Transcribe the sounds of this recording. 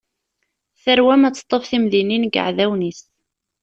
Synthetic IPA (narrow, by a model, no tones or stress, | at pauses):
θəɾwæmæt͡sːə̥t̪ˤːəfθimðininɡə̰ʕðæwnis